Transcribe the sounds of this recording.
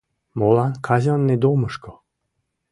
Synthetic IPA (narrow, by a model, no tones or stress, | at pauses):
molɑnkʰɑzʲɑnːed̪oməʃko